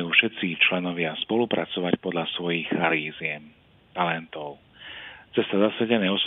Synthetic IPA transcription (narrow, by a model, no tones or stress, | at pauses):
juːfʃɛt̪t͡sit͡ʃlɛnɔʋɪaspɔlupɾat͡sɔʋacpɔd̪ʎasʋɔjixxaɾiːzjɛm | t̪alɛnt̪ɔʊ | t͡sɛst̪azasaɟɛnɛːɔs